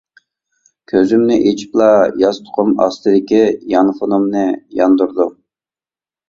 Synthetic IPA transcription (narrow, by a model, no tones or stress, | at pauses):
kʲʰøzymnɪʔet͡ʃʰi̥plˠɑjɑzt̪ʰʊ̥qʰʊmɑ̰st̪ɨd̪ɪkʲijɑnfonumnɨjɑnd̪uɾd̪u